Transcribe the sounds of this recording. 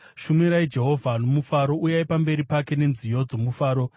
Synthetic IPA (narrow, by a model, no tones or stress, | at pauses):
ʃumiɾaid͡ʒe̞ɦo̞vʱano̞mufaɾo̞ujaipambe̞ɾipake̞ne̞nzijo̞d͡zo̞mufaːɾo̞